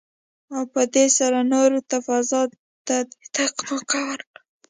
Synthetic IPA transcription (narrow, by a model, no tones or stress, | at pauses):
awpəd̪esaɾanoɾot̪afazɑ | t̪at̪aqmakawaɾk